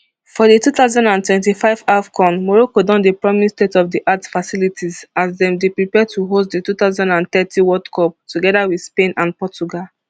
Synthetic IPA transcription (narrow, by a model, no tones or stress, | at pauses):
fɔdetuθaʊzãndãntwɛ̃ntifaɪvafkʰɔ̃nmɔɹokodɔ̃ndepɹaɪmistetɔvdiʔatfasilitʰizazdɛ̃mdepɹipɛtʰuɦostdətut̪aʊzãndãnt̪ɛtʰĩwɔdkʰɔp̚tʰuɡɛdawidspẽnãnpɔt͡ʃuɡal